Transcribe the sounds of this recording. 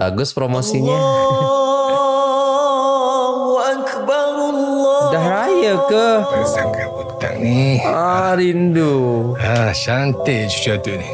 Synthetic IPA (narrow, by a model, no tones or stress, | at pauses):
a̰ɡʊspɾomosiɲa | wankəbaɾusudaɦɾajəkəasaŋkabut̪a̰ŋniaɾinduaʃant̪et͡ʃu̥t͡ʃat̪uni